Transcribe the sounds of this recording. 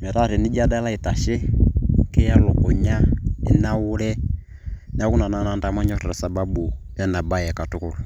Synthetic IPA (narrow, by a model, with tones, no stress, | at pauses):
mɛ˨ɾa˦˨ɾi˨ni˦d͡ʒa˦da˦la˦i˨ta˨ʃɛ˦kɛ˦ja˦lʊ˨kɔ˨ɲa˦i˦na˦wu˦lɛ˦ | n˦a˦ku˦na˨na˨na˨nda˦ma˦ɲɔ˦ɾɛ˨ɾa˨sa˨ba˦bu˨ | ja˦na˨ba˦jɛ˨ka˨tu˦ku˨lu˨